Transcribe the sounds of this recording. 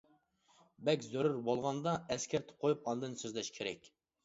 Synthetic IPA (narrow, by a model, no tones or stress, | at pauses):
bɛkʲzøɾyɾbolˠʁɑnd̪ɑɛskʲæɾt̪ʰɪ̥qʰojupɑnɨd̪ɨnsøzlɛʃkʲʰeɾɛ̰kʲ